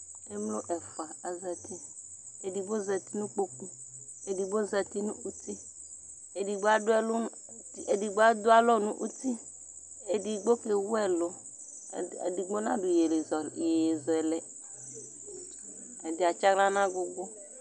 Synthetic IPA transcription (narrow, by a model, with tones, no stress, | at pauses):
e˦mlo˦ʔɛ˨fa˨a˨zɛ˨ti˦ | e˨di˨bo˦zɛ˨ti˦nũ˦k͡po˦ku˦ | e˨di˨bo˦zɛ˨t̪i˦nũ˦u˦ti˦ | e˨di˨ɡ͡bo˦a˨˦dʊ˦ɛ˦lʊ˦˨ | i˨e˨di˨ɡ͡ba˦dʊ˦a˦lɔ˦nṵ̃˦ʔu˦ti˦ | e˨di˨ɡ͡bo˦ke˨wʊ˦ɛ˦lʊ˨ | di˨ɡ͡bo˦nã˦dʊ˨je˨le˨zɔ˨e˨e˨zɔ˨ɛ˨lɛ˨ | ɛ˨dɪ˨a˨t͡ʃa˦ɡla˦nã˦ɡʊ˦ɡ͡bʊ˦